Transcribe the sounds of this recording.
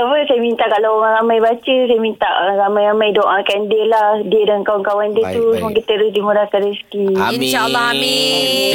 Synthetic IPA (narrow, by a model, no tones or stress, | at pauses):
t̪afəsajəmint̪aʔkalawoɾaŋɾamãjbat͡ʃəs̬ajəmint̪aʔoaŋɾamãjɾamãjdoʔakandəlahdiədaŋkawaŋkawandət̪usmũkit̪əɾʊsdimuɾakadəsə̥kiinʃaʔlːɑhami